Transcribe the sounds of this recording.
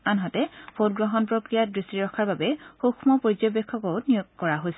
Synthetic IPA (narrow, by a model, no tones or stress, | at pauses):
anɦatɛpʰot̚ɡɹɔɦɔnpɹokɹijadɹistiɹɔkʰaɹbabɛxoxʰmɔpoɹizɔjbɛkʰːɔkɔwtnijɔɡkɔɹaɦojsɛ